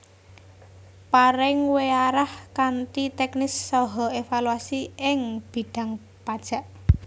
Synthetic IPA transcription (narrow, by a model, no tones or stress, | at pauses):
paɾɪŋweaɾahkant̪it̪ɛknɪsːɔɦɔefaluasiɪŋb̥i̤ɖ̥a̤ŋ | pad̥ʒ̥a̤ʔ